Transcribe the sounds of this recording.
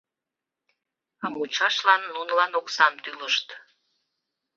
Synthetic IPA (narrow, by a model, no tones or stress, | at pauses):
ɑmut͡ɕɑʃlɑnːunlɑnoksɑmt̪yləʃt̪